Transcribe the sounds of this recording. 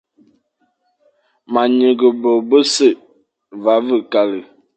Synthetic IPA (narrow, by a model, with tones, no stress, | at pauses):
ma˨ɲə˨ɡə˨bo˨bə˦sə˦˨ʔ | va˨˦və˦˨ka˨lə˨